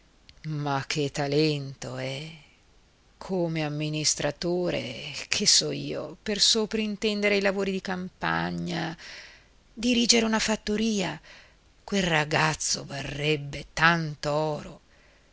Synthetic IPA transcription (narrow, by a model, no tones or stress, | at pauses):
makʰːet̪ːalɛnt̪oɛ | kʰomeamːinist̪ɾat̪oːɾḛkʰesːɔːḭːo̰persoːpɾoint̪ɛnd̪eɾeilavoːɾid̪ikampa̰ɲːa | d̪iɾiːd͡ʒeɾeunafat̪ːoɾiːa | kwelraɡat̪sːovarːɛbːet̪ant̪oɔːɾo